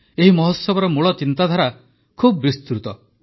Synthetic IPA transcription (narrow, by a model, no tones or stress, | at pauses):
eɦimɔɦɔsːɔbɔɾɔmuɭɔt͡ʃint̪ad̪ʱaɾa | kʰubɔbist̪ɾut̪ɔ